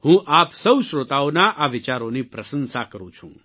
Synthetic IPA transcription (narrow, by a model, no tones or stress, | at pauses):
hũʔaːpsəwʃɾot̪aonaʔaʋɪt͡ʃaːɾonipɾɐsənsakəɾũt͡ʃʰṵ̃ː